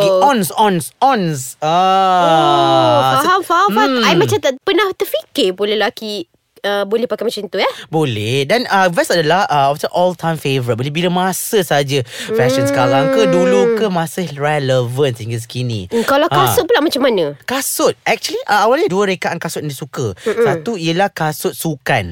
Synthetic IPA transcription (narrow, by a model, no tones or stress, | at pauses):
ɔnsɔnsɔnsa | aɦamfafaajmãt͡ʃat̪apənaht̪ərfikɪpulelaki | əbolɛhpakajmat͡ʃãnt̪ujabolɛhdanəvɛsɔfdəlaəɔftəʔɔltʰãjmfevɾit̪̚bolibiləmasəsad͡ʒəfɛsənsə̥kaɾaŋkədulukəmãsəɹɛləvənsəiŋɡəs̬ə̥kinḭ̃kalawkasʊt̪̚pulaʔmat͡ʃamːanə̃kasʊt̪̚ɛk̚t͡ʃuəliʔəawalɲəduəɾekaʔankasʊt̪̚ndisukəsat̪uijəlahkasʊt̪̚sukan